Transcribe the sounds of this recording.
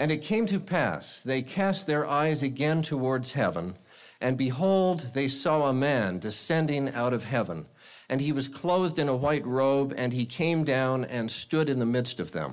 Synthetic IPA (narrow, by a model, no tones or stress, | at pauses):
ɨ̃nɨt̚kʰẽɪ̃mtɨpʰæ̰sðeɪkʰæst̪̚ðə˞ʔaɪzɨɡɛ̃ntʰəwɔɹdz̥hɛvə̃n | ʔɨ̃nbɨɦoʊlˠd̪̚ðeɪsɔəmæ̃ndɨsɛ̃ndɪ̃ŋa̰ʊɾʌv̥ɦɛvə̰̃n | ʔɨ̃niwʌz̥kʰl̥oʊðdɨ̃nəwaɪt̚ɹoʊbɨ̃nikʰẽɪ̃mdãʊ̃nɨ̃nstʊɾɨ̃nðəmɪdstʌvðɨ̰̃m